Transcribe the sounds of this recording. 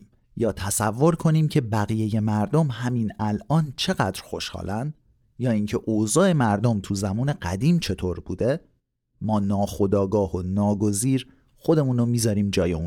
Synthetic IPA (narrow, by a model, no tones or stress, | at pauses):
jɒːt̪ʰæsævːo̞ɾkʰo̞niːmcʰe̞bæɣiːje̞je̞mæɾd̪o̞mhæminælɒːnt͡ʃʰe̞ɣæ̰d̪ɾxo̞ʃhɒ̰ːlænd̪ | jɒːiːŋcʰeʔoːzɒːe̞mæɾd̪o̞mt̪ʰuzæmuːneɢæd̪iːmt͡ʃʰe̞t̪ʰoːɾbṵːd̪e̞ | mɒːnɒːxo̞d̪ɒːɡɒːhonɒːɡo̞ziːɾ | xod̪e̞muːnomiːzɒːɾiːmd͡ʒɒːjeuːn